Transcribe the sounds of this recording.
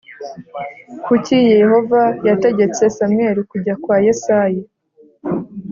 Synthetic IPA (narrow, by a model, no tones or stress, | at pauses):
kʰucijeho̞vajate̞ɟe̞t͡se̞same̞ɾikuɟakwaːjesaːje